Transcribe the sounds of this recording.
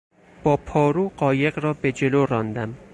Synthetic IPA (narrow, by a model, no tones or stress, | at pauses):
b̥ɒːpʰɒːɾuːɢɒːje̞ɢɾɒːbe̞d͡ʒe̞loːɾɒːnd̪æm